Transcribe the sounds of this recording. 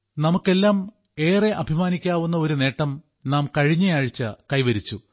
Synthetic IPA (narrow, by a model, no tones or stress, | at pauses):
nɐmukːe̞lːaːm | e̞ːre̞ʔɐbʱimaːnikʲːaːʋunːɐo̞ɾune̞ːʈːɐm | naːmkɐɻiɲːɐjaːɻit͡ɕːɐkɐjʋɐɾit͡ɕːu